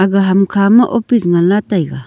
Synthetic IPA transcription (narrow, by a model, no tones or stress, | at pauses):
aɡaɦamkʰamaʔopisŋalat̪ajɡa